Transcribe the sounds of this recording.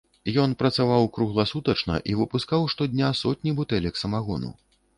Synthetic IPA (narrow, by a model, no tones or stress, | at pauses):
jɔnpɾɐt̪savawkɾuɣlˠasut̪ɐt͡ʂnɐ̰ʔivɨpuskawʂt̪ɔd̪ʲnʲasɔt̪ʲnʲibut̪ɛlʲɐksɐmaɣɔnṵ